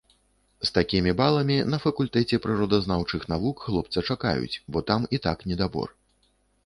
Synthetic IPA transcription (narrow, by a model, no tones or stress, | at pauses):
st̪akʲimʲibalˠɐmʲinɐfɐkulʲt̪ɛt͡sʲɛpɾɨɾɔd̪ɐznawt͡ʂɨxnavukɣlˠɔp̚t̪sɐt͡ʂaka̰jṵt͡sʲbɔt̪amit̪aknʲɛd̪abɔ̰r